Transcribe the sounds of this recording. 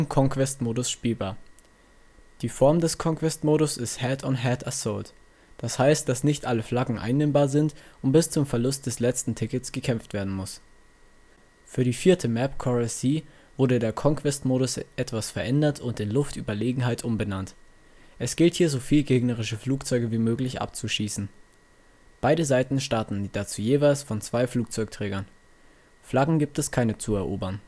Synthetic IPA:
mkʰɔŋkv̥ɛstmoːɾʊsʃpiːlbaːɐ | d̥iːfɔɐmdɛskʰɔŋkv̥ɛstmoːɾʊsɪsthɛtʰɔnɦɛtasɔlt | d̥ashaɪst̚d̥asnɪçtʔaləflaɡŋ̩ʔa̰ɪnːɛːmbaːɐzɪntʔʊntb̥ɪst͡sʊmfɛɐlʊst̚d̥ɛslɛt͡stn̩tʰɪkət͡sɡ̥əkʰɛmftv̥eːɐdn̩mʊs | fyːɐdiːfiːɐtʰəmɛpkʰɔʁasiː | v̥ʊɐɾədeːɐkʰɔŋkv̥ɛstmoːɾʊsʔɛtv̥asfɛɐʔɛndɐtʰʊntɪnlʊftʔyːbɐleːɡŋ̩ɦaɪtʰʔʊmbənant | ʔɛsɡ̥ɪlthiːɐzoːfiːlɡeːɡnəʁ̞ɪʃəfluːk̚t͡sɔʏɡəviːmøːklɪçʔa̰p̚t͡suʃiːsn̩ | b̥aɪɾəzaɪtn̩ʃtaɐtn̩d̥at͡suːjeːvaɪlsfɔnt͡sv̥aɪfluːk̚t͡sɔʏk̚tʁ̥ɛːɡɐn | flaɡŋ̩ɡiːp̚tɛskʰaɪnət͡suɛɐʔoːbɐn

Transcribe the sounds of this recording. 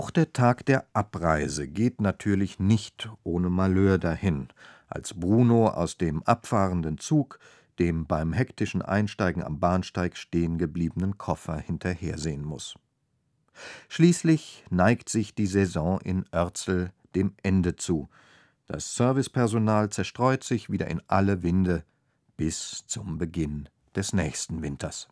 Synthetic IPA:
ʔaʊxd̥eːɐtʰaːkd̥eːɐʔapʁaɪzəɡeːtnatʰyːɐlɪçnɪçtʔoːnəmaløːɐdahɪnʔa̰lsb̥ʁuːnoʔa̰ʊsd̥eːmʔapfaːʁəndənt͡suːk | d̥eːmbaɪmɦɛktɪʃn̩ʔa̰ɪnʃtaɪɡŋ̩a̰mbaːnʃtaɪkʃteːənɡəbliːbənənkʰɔfɐhɪntʰɐheːɐzeːənmʊ̰s | ʃliːslɪçnaɪktz̥ɪçd̥iːzɛzɔ̃ʔɪ̰nʔœɐt͡sl̩ | d̥eːmʔɛndət͡suː | d̥a̰sːœɐvɪspʰɛɐzonaːlt͡sɛɐʃtʁ̥ɔʏtz̥ɪçv̥iːdɐ̰ʔɪnʔaləvɪndə | b̥ɪst͡sʊmbəɡɪn | d̥ɛsnɛːçstn̩vɪntʰɐs

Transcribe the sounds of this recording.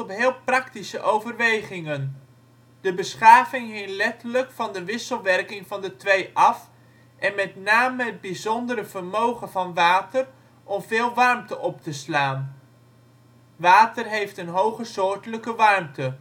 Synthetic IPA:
ɔpɦɪːlˠprɑktisəʔowvərʋejχɪŋən | dəbəsχaːvɪŋɦɪŋlɛtələkfɑndəʋɪsəlˠʋɛrkɪŋvɑndətʋejʔɑf | ʔɛnmɛtnaːməd̚bizɔndəɾəv̥ərmowχənvɑnʋaːtər | ʔɔmvɪːlˠʋɑrmtəʔɔp̚təslaːn | ʋaːtərɦejftənɦowχəsʊːɹtələkəʋɑrmtə

